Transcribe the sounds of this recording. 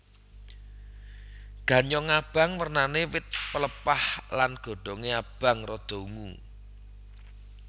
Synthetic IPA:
ɡ̥ä̤ɲɔŋab̥ä̤ŋwərnanewɪt̪̚pələpahlanɡ̥o̤ɖ̥ɔ̤ŋeab̥ä̤ŋrɔd̪̥o̤uŋu

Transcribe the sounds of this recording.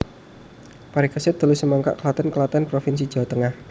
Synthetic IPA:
paɾikasɪd̪̥a̤lusəmaŋka̰ʔkəlat̪ɛnkəlat̪ɛnpɾofinsi̥d͡ʒ̥a̤wat̪əŋah

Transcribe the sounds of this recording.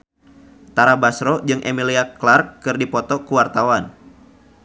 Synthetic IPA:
t̪aɾabasɾɔd͡ʒɨŋʔemiliaklarkːɨrdipɔt̪ɔkuwart̪awan

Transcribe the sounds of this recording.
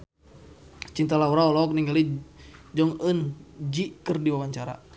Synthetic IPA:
t͡ʃint̪alauɾaɔlɔɔk̚niŋɡalid͡ʒɔŋənd͡ʒikɨrdiwawaɲt͡ʃaɾa̰

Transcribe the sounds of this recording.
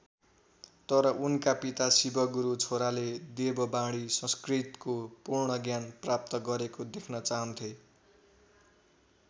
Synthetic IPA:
t̪ʌɾʌʔunkapit̪asibʌɡuɾut͡sʰoɾaled̪ebʌbãɽisʌ̃skrit̪kopurɳʌɡjanprap̚t̪ʌɡʌɾekod̪ekʰnʌt͡saɦʌnt̪ʰjo

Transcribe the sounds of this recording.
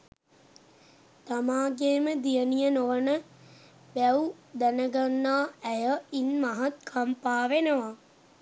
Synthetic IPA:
t̪amaːɡeːməd̪ijənijənoʋənə | ʋɛwud̪ænəɡanːaːæjəinmaɦat̪̚kʰampaːʋenəʋa

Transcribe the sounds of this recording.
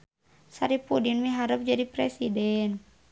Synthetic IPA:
saɾipudinmiɦaɾəp̚d͡ʒadipɾɛsidɛn

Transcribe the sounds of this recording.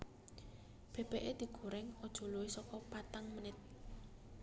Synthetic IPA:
b̥e̤b̥ɛʔed̪̥i̤ɡ̥o̤ɾɛŋɔd̥ʒ̥ɔ̤loisɔkɔpat̪aŋmənɪt̪̚

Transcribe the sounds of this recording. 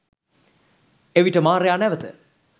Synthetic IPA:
eʋiʈəmaːɾejaːnɛʋət̪ə̰

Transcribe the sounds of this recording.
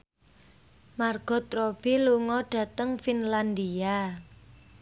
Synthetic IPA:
marɡ̥ɔ̤t̪ɾɔb̥eluŋɔɖ̥a̤t̪əŋfinland̪ia

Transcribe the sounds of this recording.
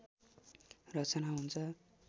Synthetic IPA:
rʌt͡sʌnaɦunt͡sʰʌ

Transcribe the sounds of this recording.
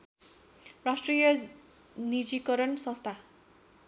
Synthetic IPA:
rasʈrijʌ | nid͡zikʌɾʌnsʌ̃st̪ʰa

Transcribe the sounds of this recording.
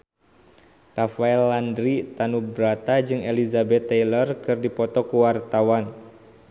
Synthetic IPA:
rafaɛlːandɾit̪anubɾat̪ad͡ʒɨŋelizabɛt̪ːɛjlərkɨrdipɔt̪ɔkuwart̪awan

